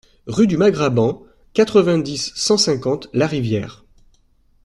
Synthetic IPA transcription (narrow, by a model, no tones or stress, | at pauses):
ʁyd̪ymaɡʁabɑ̃ | kat̪χəvɛ̃d̪isːɑ̃sɛ̃kɑ̃t̪laʁivjɛ̰ːʁ